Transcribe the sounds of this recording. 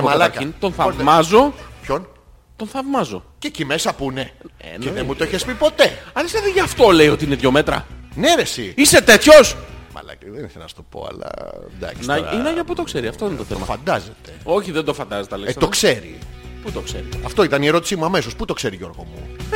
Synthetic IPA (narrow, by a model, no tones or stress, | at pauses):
mɐɐlɐɐɾkɐint̪onθɐmɐzo̞pço̞n | t̪onθɐvmɐzo̞cecimesɐpune̞̰neðemut̪oiçespipo̞t̪e̞ɐleseðeʝɐft̪o̞le̞io̞t̪iineðʝome̞t̪ɾɐ̰neðesiise̞t̪et̪ço̞smɐ̰lɐ̰cðeniθenɐst̪opo̞̰ɐ̰lɐ̰d̪ɐ̰kisnɐinɐʝɐput̪o̞kseɾiɐft̪oinet̪oθemɐofɐ̰nd̪ɐzet̪e̞oçiðend̪ofɐnd̪ɐzet̪eɐlekst̪o̞kse̞ɾḭ | put̪oksḛɾiɐft̪o̞it̪ɐnie̞ɾo̞t̪i̥simuɐme̞so̞sput̪o̞kse̞ɾiʝo̞̰ɾɣo̞̰mṵ